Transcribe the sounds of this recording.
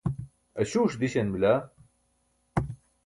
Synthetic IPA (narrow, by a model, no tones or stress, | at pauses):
ɐɕuːʂd̪iɕenmila